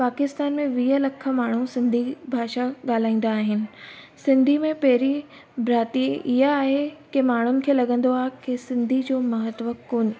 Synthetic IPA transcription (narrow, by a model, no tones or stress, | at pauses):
paːkɪst̪aːnmẽʋiːɦəlɐkʰə̆maːɳ̤usɪ̃nd̪ʱibʱaːʃaɠaːl̤aːĩːn̆d̪aːɦɪnɪ̆ | sɪ̃nd̪ʱimẽpɐɦɪɾi | bʱɾaːt̪ieʔɪɦaaːɦekemaːɳ̤ʊnɪ̆kʰeːlɐɠə̃nd̪oaːɦekesɪ̃nd̪ʱid͡ʑoːmɐɦət̪ʋəkkoːnɪ̆